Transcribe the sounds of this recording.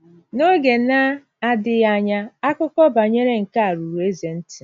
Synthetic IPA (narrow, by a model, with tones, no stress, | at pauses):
no˦ɡe˨na˦ | a˨dɪ˨ja˨ɲa˦a˦kʊ˦kɔ˦ba˨ɲe˦ɾe˦ŋ̩˨ka˦a˨ɾu˨ɾu˨e˦ze˨n̩˦tɪ̥˨